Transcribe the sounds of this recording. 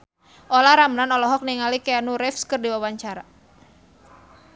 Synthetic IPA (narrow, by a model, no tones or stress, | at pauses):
ʔɔlaɾamnanɔlɔɦɔk̚niŋalikɛanuɾɛfskərdiwawaɲt͡ʃaɾa